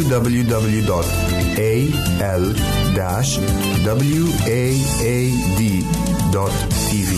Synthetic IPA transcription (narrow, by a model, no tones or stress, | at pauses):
udɐbəljud̪ɐbəljud̪ɔt | e | ɛl | d̪ɛʃ | d̪ɐbəljue | e | d̪i | d̪ɔt̪ːʰ | ivi